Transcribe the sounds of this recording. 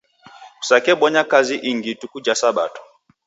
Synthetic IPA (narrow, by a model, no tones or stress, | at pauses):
u̥sakɛɓɔɲakaziʔiŋɡitukud͡ʒasaɓa̰tɔ̥